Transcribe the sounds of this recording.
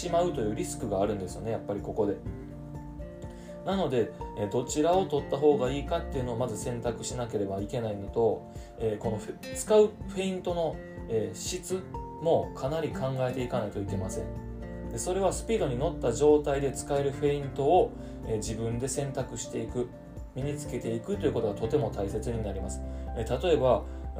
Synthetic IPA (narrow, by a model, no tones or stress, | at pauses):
imaɯ̟t̪o̞jɯ̟ːɾʲisɨ̥kɯ̟ɡaːɾɯ̟̃nd̪e̞sɨjo̞̰ne̞japːaɾʲiko̞ko̞d̪e̞ | nano̞d̪e̞ed̪o̞t͡ɕiɾao̞t̪o̞t̪ːaɦo̞ːɡaiːkat̪ːe̞iɯ̟no̞ːmazɨsẽ̞nt̪akɯ̟ɕinake̞ɾe̞baike̞nainot̪o̞ | eːko̞no̞ɸt͡sɨ̥kaɯ̟ɸe̞ĩnt̪o̞no̞ | eːɕit͡sɨ | mo̞kʰanaɾʲikʰãŋɡae̞t̪e̞ikanait̪o̞ike̞masẽ̞ɴ | d̪e̞so̞ɾe̞β̞asɨ̥pʲiːd̪o̞ɲ̟ino̞t̪ːaʑo̞ːt̪aid̪e̞t͡sɨ̥kae̞ɾɯ̟ɸe̞ĩnt̪o̞ː | ed͡ʑibɯ̟̃nd̪e̞sẽ̞nt̪akɯ̟ɕi̥t̪e̞ikɯ̟ | mʲiɲ̟it͡sɨ̥ke̞t̪e̞ikɯ̟t̪ːoiɯ̟ko̞t̪oɡat̪o̞t̪e̞mo̞t̪aise̞t͡sɨɲ̟inaɾʲimasɨ̥et̪at̪o̞e̞ba